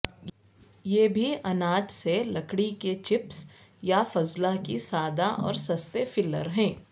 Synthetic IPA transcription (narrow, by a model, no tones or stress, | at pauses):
jeːbʱiʔɐnaːd͡ʒselɐkɽiket͡ʃɪpsjafɐzlakisaːd̪aʔɔ̰ːɾsɐst̪efɪlːə̰ɾɦɛ̃ː